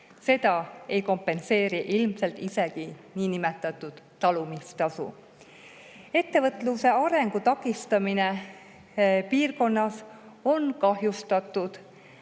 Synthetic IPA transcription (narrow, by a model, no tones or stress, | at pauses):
se̞d̪̥ɑe̞jko̞mpːˑe̞nse̞ːɾiʔilmse̞lt̪ise̞ɡiniːnimet̪ːˑɑt̪ːˑud̪̥ːɑlumist̪ɑsṵ | e̞t̪ːe̞vɤt̪ːˑluse̞ɑɾe̞ŋɡ̥ut̪ɑkːˑist̪ɑmine̞ | piːrko̞nːɑso̞nkɑɦjust̪ɑt̪ːˑud̪̥